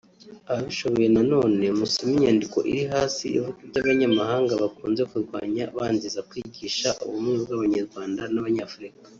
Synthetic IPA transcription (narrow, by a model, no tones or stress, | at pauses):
aβaβiʃo̞βo̞je̞nano̞ːne̞musimiɲaːndiko̞̰ʔḭɾiɦaːsiḭvukuɾɟaβaɲamaɦaːŋɡaβakuːnzekuɾɡwa̰ːɲaβaːnzizakwiɟiːʃaʔuβumŋebɡaβaɲaɾɡwaːndanaβaɲaːfuɾikḁ